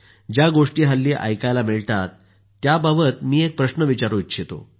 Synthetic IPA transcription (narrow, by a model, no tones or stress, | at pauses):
d͡ʑjaɡoʂʈiːɦalːiːʔa̰jkajlamiɭt̪at̪ː | jababət̪miːek̚pɾəɕnəʋit͡ɕaɾuitːɕʰit̪o̰